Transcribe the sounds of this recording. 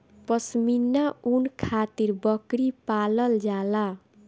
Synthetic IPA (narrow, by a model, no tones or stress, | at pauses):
pʌsminːaunkʰat̪irbʌkɾipalʌld͡zala